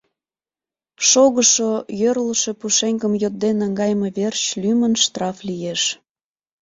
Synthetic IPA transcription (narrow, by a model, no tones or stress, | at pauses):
ʃoɣəʃojørləʃe̽puʃeŋkəmjot̪̚d̪enəŋɡɑjmeβert͡ɕlymənʃt̪rɑflijeʃ